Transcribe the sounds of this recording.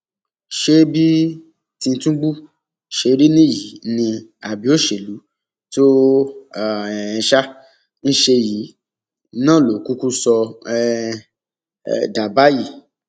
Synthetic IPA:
ʃe˦bi˦ | tĩ˧n̩˧tũ˦ɡ͡bu˦ | ʃe˧ɾi˦nĩ˦ji˨˦nĩ˧a˨bi˨˦o˦ʃe˨lu˨˦ | to˦˨ | ɛ˧ʃa˦ | n̩˦ʃe˧ji˨˦ | nã˦˨lo˨ku˦ku˦sɔ˧ɛ˦˨ | da˨ba˦ji˦˨

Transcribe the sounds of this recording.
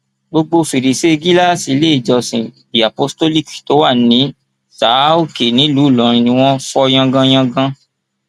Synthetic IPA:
ɡ͡bo˧ɡ͡bo˧fi˨ɾi˨se˦˧ɡi˦la˦˨si˨˦le˦i˦˨d͡ʒɔ˧sĩ˨bi˨a˨po˦sto˦li˦ksi̥˨to˨˦wa˦˨nĩ˨˦ | sa˨˦o˦˨ke˨nĩ˨˦luː˨˦˨lɔ˨ɾ̃ĩ˧nĩ˧˦w̃ɔ̃˦fɔ˧j̃ã˧ɡã˧˦j̃ã˧ɡã˧

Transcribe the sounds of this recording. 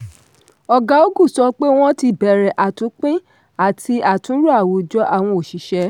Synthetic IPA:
ɔ˨ɡa˨˦o˦ɡũ˦˨sɔ˧˦k͡pe˦w̃ɔ̃˦ti˧bɛ˨ɾɛ˨ʔa˨tũ˨˦k͡pĩ˦ | a˦˨tʰi˧˦a˨tũ˨˦ɾu˦a˦˨wo˨d͡ʒɔ˦ʔa˦˨w̃ɔ̃˧o˨ʃi˨˦ʃɛ˧˦

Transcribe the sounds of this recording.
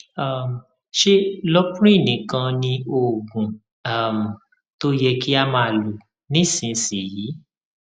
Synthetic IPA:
a˦˨m̩˨ | ʃe˦lɔ˦kũ˦ɾ̃ĩ˦˨nĩ˨˦kã˧nĩ˧o˨ɡũ˨ | a˦˨m̩˨ | to˦jɛ˧ki˦a˦mã˧˨lu˨ | nĩ˨˦˨sĩ˨˦si˨jiː˨˦

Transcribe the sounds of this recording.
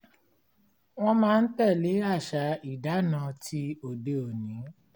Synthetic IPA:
w̃ɔ̃˦mãː˦˧n̩˦tɛ˦˨le˨˦ɾa˦˨ʃa˨˧˦i˦˨da˨˦nã˧tʰi˧˦o˨de˨˧o˨nĩ˨˦

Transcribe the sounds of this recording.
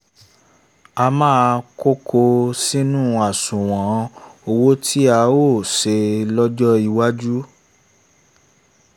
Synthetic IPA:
a˧mãː˦˧ko˦kʰo˧si˦nũ˦a˨sũ˨w̃ɔ̃˨˦o˧wo˦tʰi˦a˧˦o˦˨se˧˦lɔ˦d͡ʒɔ˦i˧wa˦d͡ʒu˦

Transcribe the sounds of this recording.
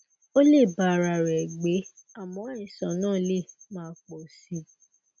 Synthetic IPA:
o˦le˦˨ba˨ɾa˨ɾɛ˨ɡ͡be˨˦ | a˦˨mɔ̃˨˦ĩ˨sã˨nãː˦˨˦le˦˨ | mãː˦k͡po˨si˨˦

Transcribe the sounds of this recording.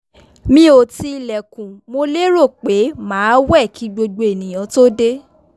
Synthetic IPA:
mĩ˦o˨ti˧i˧lɛ˨kũ˨mo˧le˦ɾo˦˨k͡pe˨˦mãː˨˦wɛ˦˨kʰi˨˦ɡ͡bo˧ɡ͡bo˨e˨nĩ˨j̃ã˨˦to˦de˦

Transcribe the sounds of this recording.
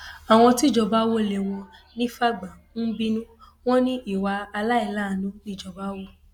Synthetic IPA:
a˨w̃ɔ̃˧ti˦˨d͡ʒɔ˧ba˦wo˦˨le˨w̃ɔ̃˧nĩ˦fa˦ɡ͡bã˨ | n̩˦bi˦nũ˦ | w̃ɔ̃˦nĩ˦ʔi˦˨wa˧a˧la˦i˦˧˨la˦˨nũ˦nĩ˦˨d͡ʒɔ˧ba˦wo˦˨

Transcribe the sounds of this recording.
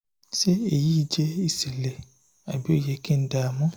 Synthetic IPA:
ʃe˦e˨ji˦˨d͡ʒe˦i˦˨si˨le˨ | a˨bi˨˦o˦˨je˧kĩ˦n̩˦da˨mɔ̃˦

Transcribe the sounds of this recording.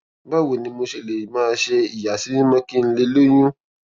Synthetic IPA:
ba˦˨wo˨nĩ˧mo˧ʃe˧˨le˨mãː˦˧ʃe˧i˨ja˨si˨˦nĩ˦mã˦ki˦n̩˦le˧lo˦j̃ũ˦

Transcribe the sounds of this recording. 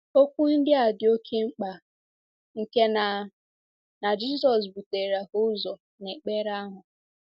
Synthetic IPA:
o˦kʷu˦n̩˦dɪ˦a˨dɪ˨o˦kʰe˦ŋ͡m̩˦k͡pa˨ | ŋ̩˨ke˦na˨ | na˨d͡ʒi˦sɔ˨s̬bu˨te˨ɾa˨hʊ˦zɔ˨ | ne˨k͡pe˦ɾa˦ɦʊ˨

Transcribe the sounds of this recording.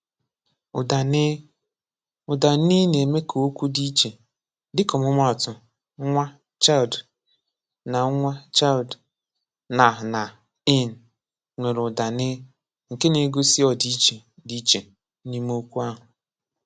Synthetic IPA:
ʊ˨da˨ne˦ | ʊ˨da˨ni˦ne˨me˦kʰo˨o˦kʷu˦di˦t͡ʃe˨ | dɪ˦kɔ˨mʊ˦ma˦ɔ˨tʊ˨˦ | ŋʷa˦ | t͡ʃa˦˨ld | na˨˦ŋʷa˦t͡ʃa˦ld | na˨ɦʊ˨na˨ | i˦˨n̩˨ | ŋʷe˨ɾʊ˨da˨nɪ˦ | ŋ̩˨ke˦ne˨˦ɡo˦si˦ɔ˨di˦t͡ʃe˨di˦t͡ʃe˨˦ | ni˦m˦o˦kʷu˦a˦ɦʊ˨

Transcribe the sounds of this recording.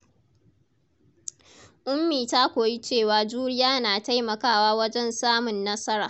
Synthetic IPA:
ʔʷʼʊ˦mːiː˨taː˦kʷoː˨ji˦t͡ʃeː˦˨waː˨d͡ʒuː˦ɽɪ˦jaː˦naː˨ta˦jmɐ˨kaː˦˨waː˦wɐ˦d͡ʒɛ˦nsaː˦mʊ˨nːɐ˦sɐ˦ɾaː˨

